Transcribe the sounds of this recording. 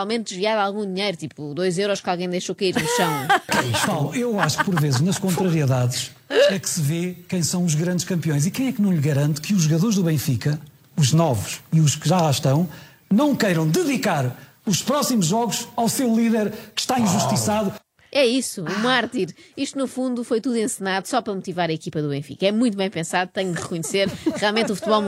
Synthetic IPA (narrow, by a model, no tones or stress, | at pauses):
alˠmẽnt̪̚d̪ʒviaðalˠɣũd̪iɲejɾut̪ipud̪ojzewɾɔʃkalˠɣɐ̃j̃d̪ɐjʃokɐiɾnuʃɐ̃w̃kɐt̪alˠuewaʃu̥kpɔɾvezɨʒnɐʃkõnt̪ɾɐɾiiðaðʃ | ɛksɨvekɐ̃j̃sɐ̃w̃uʒɣɾɐ̃nd̪ʃkɐ̃mpiõj̃zikɐ̃j̃ɛknɐ̃w̃ʎɣɐɾɐ̃nt̪kɨuʒuɣɐðoɾʒðuβẽj̃fikɐ | uʒnɔvuʃiuʃkɨʒalˠaʃt̪ɐ̃w̃ | nɐ̃w̃kɐjɾɐ̃w̃d̪ɨðikaɾ | uʃpɾɔsimuʒːɔɣuʃawsewlˠiðɛɾkɨ̥ʃt̪aĩʒuʃt̪isaðu | ɛisuumaɾt̪iɾiʃt̪unufũnd̪ufojt̪uðuẽsɨnaðusɔpɾɐmut̪ivaɾɐikipɐðuβẽj̃fḭkɐɛmũj̃t̪uβɐ̃j̃pẽsaðut̪ɐ̃ɲud̪ʁɨkuɲseɾʁialˠmẽnt̪ufu̥t̪βɔlˠ